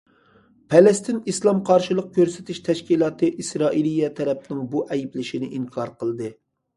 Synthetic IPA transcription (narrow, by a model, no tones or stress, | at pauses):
pʰɛlɛst̪ɪnislˠɑmqʰɑɾʃɨlˠəq̚kʲʰøɾsɪ̥t̪ʰɪʃt̪ʰɛʃkʲilˠɑːt̪ʰɨʔisɾɑːʔilˠijɛt̪ʰɛɾɛp̚nɪŋbuʔɛjiblɪʃinɪʔiŋkʰɑɾqʰəlˠɨd̪ɨ